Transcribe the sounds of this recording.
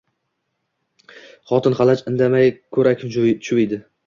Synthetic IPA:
χɒt̪ʰɪnχɑlˠat͡ʃɪnd̪amajkʰɵɾakʲt͡ʃʰʊɪd̪ɪ

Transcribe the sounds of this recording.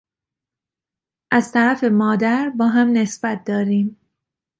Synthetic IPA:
ʔæzt̪ʰæɾæfe̞mɒːd̪æɾbɒːɦæmne̞sbæt̪̚ʰd̪ɒːɾiːm

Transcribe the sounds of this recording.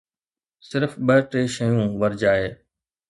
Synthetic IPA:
sɪɾfɓəʈeːʃəjũːʋəɾd͡ʒaːɦeː

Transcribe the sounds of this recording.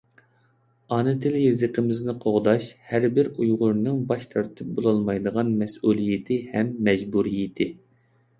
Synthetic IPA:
ɑːnɨt̪ʰɪlɪjezəqʰəmɪznɪqʰoʁd̪ɑʃhæɾbɪɾujʁʊɾnɨŋbɑʃt̪ʰɑɾt̪ʰɨp̚bolˠɑlˠmɑjd̪əʁɑnmɛsulˠijɪt̪ʰɪhɛmːɛd͡ʒbuɾijɪt̪ʰɪ

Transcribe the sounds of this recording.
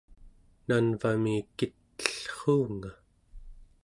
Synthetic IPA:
nanvamikit̪ːə̥ɬχuːŋa

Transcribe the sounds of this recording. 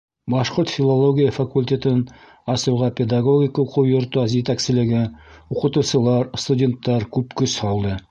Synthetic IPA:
bɑʃqoɾt̪fʲilˠolˠoɡʲijəfɐkulʲtʲet̪ɘn | ɑsɤ̆wʁɑpʲed̪aɡo̞ɡʲikuqɤwjŏɾt̪ɑzjɘt̪æksɘ̆lɘ̆ɡɘuqɤ̆t̪ɤ̆wsɤ̆lˠɑɾst̪udʲe̞nt̪ːɑɾkʉpkɵshɑlˠd̪ɤ

